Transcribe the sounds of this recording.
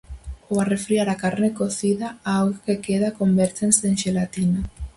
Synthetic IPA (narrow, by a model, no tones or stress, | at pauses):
oarefɾiaɾakaɾnekoθiðaawɣkekeðakombɛɾt̪enseeŋʃelat̪ina